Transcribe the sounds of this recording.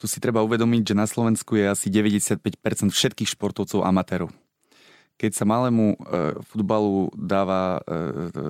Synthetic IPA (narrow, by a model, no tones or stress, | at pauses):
t̪usi̥t̪ɾɛbauʋɛd̪ɔmiɟʒɛnaslɔʋɛnskujɛasiɟɛʋɛɟɛsɪat̪̚pɛcpɛɾt͡sɛnt̪fʃɛt̪kiːxʃpɔɾt̪ɔʊt͡sɔʊʔa̰mat̪ɛːɾɔʊ | kɛcsamalɛːmufud̪balud̪aːʋa